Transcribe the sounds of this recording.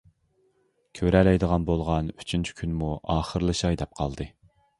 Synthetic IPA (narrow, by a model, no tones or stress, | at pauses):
kʲʰøɾɛlɛjd̪əʁɑnbolˠʁɑnyt͡ʃʰynt͡ʃʰi̥kʲʰynmuʔɑːχəɾlˠɨʃɑjd̪ɛp̚qʰɑ̰lˠd̪ɨ